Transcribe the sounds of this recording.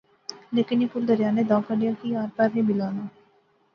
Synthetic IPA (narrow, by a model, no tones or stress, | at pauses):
leːkɪnjepʊɾd̪ɐɾjaːned̪aːkəɖijakiaːɾpɛːɾɦĩbɪlaːnaː